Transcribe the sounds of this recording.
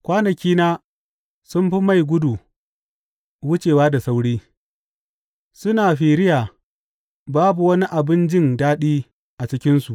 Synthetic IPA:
kʷaː˦nɐ˨kʲiː˦naː˦ | sʊ˦mɸi˦ma˦˨jɡʷʊ˦du˨ | wʊ˦t͡ʃeː˨waː˦da˨sa˦wɽiː˦ | sʊ˦naː˨ɸiː˨ɽɪ˦jaː˨ | baː˦bu˨wɐ˦ni˦ʔa˨bɪ˦nd͡ʒɪ˦˨ndaː˦ɗiː˦ | ʔa˨t͡ʃɪ˦kʲɪ˦nsu˨ʔ

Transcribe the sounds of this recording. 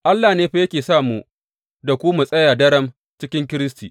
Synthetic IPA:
ʔa˦lːaː˨neː˦ɸe˦jɐ˦kʲeː˨saː˦˨muː˨˦ | da˨kʷu˦mu˨sʼɐ˦jaː˨dɐ˦ɽɐ˦m | t͡ʃɪ˦kʲɪ˦ŋk̬ʲɪ˦ɾɪ˦stiː˨ʔ

